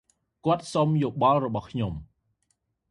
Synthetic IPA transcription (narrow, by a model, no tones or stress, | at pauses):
kŏət̪̚somjoːɓɑlrɔɓɑhkʰɲom